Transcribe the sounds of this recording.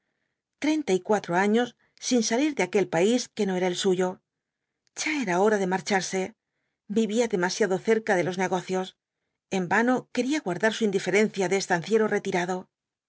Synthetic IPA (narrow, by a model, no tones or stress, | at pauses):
t̪ɾe̞jnt̪aikwat̪ɾoaɲo̞sː | insaliɾðeake̞lpaiske̞no̞e̞ɾae̞lsuʝo̞ | ʝ̥aeɾao̞ɾaðe̞maɾt͡ʃaɾse̞ | biβiaðe̞masjaðo̞θe̞ɾkaðe̞lo̞zne̞ɣo̞θjo̞s | e̞mbano̞ke̞ɾiaɣwaɾðaɾsuind̪ife̞ɾe̞nθjaðeːst̪an̟θje̞ɾore̞t̪iɾaðo̞